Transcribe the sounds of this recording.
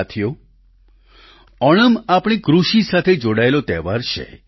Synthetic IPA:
t̪ʰijo | ɔɽ̃əmapɽ̃ikɾuʃisat̪ʰed͡ʒoɽaelot̪ɛʋaɾt͡ʃʰḛ

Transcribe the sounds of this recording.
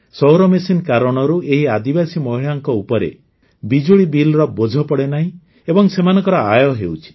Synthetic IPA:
sɔwɾɔmesinkaɾɔɽ̃ɔɾuʔeɦiad̪ibasimɔɦiɭaŋkɔupɔɾḛ | bid͡ʒuɭibilɾɔbod͡ʒʱɔpɔɽenaɦĩ | ebɔŋsemanɔ̃ŋkɔɾɔajɔɦewt͡ʃʰi̥

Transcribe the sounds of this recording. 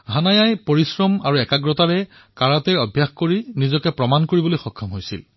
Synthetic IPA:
ɦanajajpoɹisɹɔmaɹuɛkaɡɹɔtaɹɛ | kaɹatɛɔbʱjaxkoɹinizɔkɛpɹɔmankoɹibɔlojxɔkʰːɔmɦojsḭl

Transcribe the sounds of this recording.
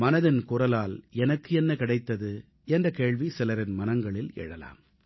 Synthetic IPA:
mɐnɐðɪnkʊrɐlaːlɛnɐkːɯɛnːɐkɪɽɐɪt̪ːɐðɯ | ɛndrɐkeːɻʋisɪlɐɾɪnmɐnɐŋɡɐɭɪlɛ̰ɻɐla̰ːm

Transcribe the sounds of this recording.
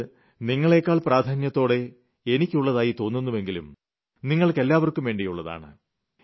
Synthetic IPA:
niŋːɐɭe̞ːkːaːɭpraːd̪ʰʱaːnjɐt̪ːo̞ːɽe̞ | enikʲːuɭːɐðaːjit̪o̞ːnːunːuʋe̞ŋɡilṵm | niŋːɐɭke̞lːaːʋɐrkːumʋe̞ːɳɖijuɭːɐða̰ːɳɨ̰

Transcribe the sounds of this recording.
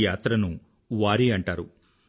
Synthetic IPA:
jaːt̪ɾɐnu | ʋaːɾiɐɳʈaːɾu

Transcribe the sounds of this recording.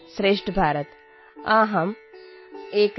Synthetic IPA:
sɾeːʂʈbʱaːɾət̪ | aːɦɐm | eːk

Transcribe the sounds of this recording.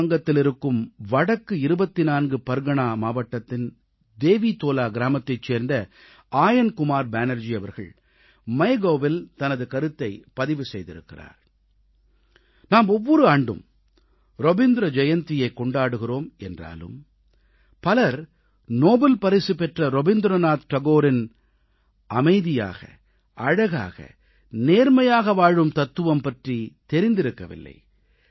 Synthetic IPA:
ŋɡɐt̪ːɪlɪɾɯkːɯmʋɐɽɐkːɯɪɾɯbɐt̪ːɪnaːnɡɯpɐɾɡɐɳaːmaːʋɐʈːɐt̪ːɪn | d̪eːʋiːt̪oːlaːɡɪɾaːmɐt̪ːɐɪt͡ʃːeːɾnd̪ɐ | aːjɐnkʊmaːɾbaːnɐɾd͡ʒiɐʋɐɾɣɐ̰ɭ | mɐɪɡoːʋɪlt̪ɐnɐðɯkɐɾɯt̪ːɐɪpɐðɪʋɯsɛjðɪ̰ɾɯ̰kːɪra̰ːɾ | naːmɔʋːɔɾɯaːɳɖɯ̰m | ɾɔbɪnd̪ɪɾɐd͡ʒɐjɐnt̪ɪjɐɪkːɔɳɖaːɽɯɣɪroːmɛndra̰ːlɯ̰m | pɐlɐɾ | noːbɛlpɐɾɪsɯpɛʈrɐɾɔbɪnd̪ɾɐnaːt̪ʈɐɣoːɾɪn | ɐmɐɪðɪja̰ːɣɐ̰ | ʔɐɻɐɣa̰ːɣɐ̰ | neːɾmɐjaːɣɐʋaːɻɯmt̪ɐt̪ːɯʋɐmpɐʈrit̪ɛɾɪnd̪ɪɾɯkːɐʋɪ̰lːɐ̰ɪ

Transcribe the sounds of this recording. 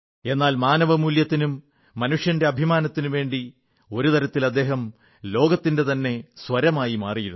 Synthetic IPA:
e̞nːaːlmaːnɐʋɐmuljɐt̪ːinumː | ɐnuʂjɐnde̞ɐbʱimaːnɐt̪ːinuʋe̞ːɳɖi | o̞ɾut̪ɐɾɐt̪ːilɐd̪ːe̞ːɦɐm | lo̞ːɡɐt̪ːinde̞t̪ɐnːe̞sʋɐɾɐmaːjimaːrijiɾun

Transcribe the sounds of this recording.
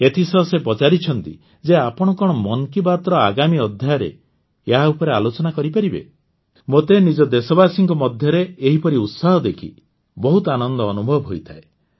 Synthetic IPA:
et̪ʰisɔsepɔt͡ʃaɾit͡ʃʰɔnt̪ḭ | d͡ʒeapɔɽ̃ɔkɔɽ̃ɔmɔnkibat̪ɾɔaɡamiɔd̪ʱjajɔɾḛ | jɦaupɔɾealot͡ʃɔnakɔɾipaɾibḛ | mot̪enid͡ʒɔd̪esɔbasiŋkɔmɔd̪ʱjɔɾeeɦipɔɾiut̪saɦɔd̪ekʰḭ | bɔɦut̪ɔanɔnd̪ɔːnubʱɔbɦojt̪ʰae

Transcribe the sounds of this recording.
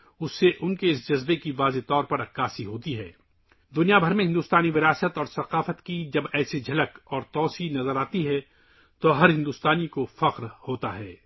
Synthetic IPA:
ʊsːeʔʊnkeɪsd͡ʒɐzbekiʋaːzet̪ɔːɾpɐɾɐkːaːsiɦoːt̪iɦɛ̰ː | d̪ʊnijabʱɐɾmẽɦɪ̃nd̪uːst̪aːniʋɪɾaːsət̪ɔːɾsɐqaːfət̪kid͡ʒɐbɛːsed͡ʒʱɐləkɔːɾt̪ɔːsinɐzəɾaːt̪iɦɛ | t̪oɦɐɾɦɪ̃nd̪uːst̪aːnikofɐqɾhoːt̪aɦɛː

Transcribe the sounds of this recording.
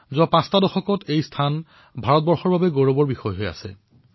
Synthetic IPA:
zɔpãstadɔxɔkɔtʰejstʰan | bʱaɹɔt̚bɔɹxɔɹbabɛɡoɹɔbɔɹbixɔjɦoja̰sɛ̰

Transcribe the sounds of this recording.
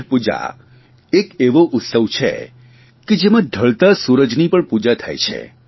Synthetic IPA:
pud͡ʒa̰ | ekeʋoʔʊt̪səʋt͡ʃʰḛ | ked͡ʒemãɖʱəɭt̪asuɾəd͡ʒnipəɳpud͡ʒat̪ʰa̰jt͡ʃʰḛ

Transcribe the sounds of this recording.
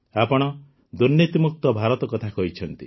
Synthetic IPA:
apɔɽ̃ɔ | d̪uɾnjit̪imuk̚t̪ɔbʱaɾɔt̪ɔkɔt̪ʰakɔɦit͡ʃʰɔnt̪i

